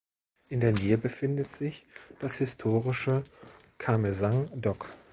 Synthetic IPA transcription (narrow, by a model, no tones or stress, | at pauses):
ʔɪndeːɐneːəbəfɪndətz̥ɪçd̥ashɪstʰoːʁɪʃə | kʰamezaŋdɔk